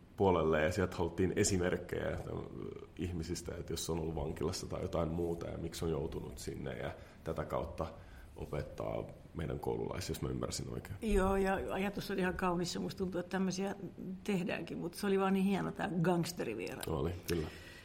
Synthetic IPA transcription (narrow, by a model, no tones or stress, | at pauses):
puolelːeːjɑsiɛlt̪hɑlt̪ːiːnesimerkːḛjæ̰t̪æ̰ihmisist̪æet̪josːonolːuʋɑŋkilɑsːɑt̪ɑijot̪ɑimmuːt̪ɑjɑ̰miksonjout̪unṵt̪sinːḛjɑ̰ | t̪æt̪ækɑut̪ːɑ | ʔo̰pet̪ːɑ̰ː | meidæ̰ŋko̰ulṵlɑ̰isjosmæymːærsino̰ikeːnjoːjɑɑjɑt̪usːoliihɑkɑunisːɑmust̪unt̪uet̪t̪æmːøsiæt̪ehdæ̰ːŋkimmut̪seoliʋɑːnniːhienot̪æ̰ːɡɑŋst̪eriʋḭerɑ̰olikylːæ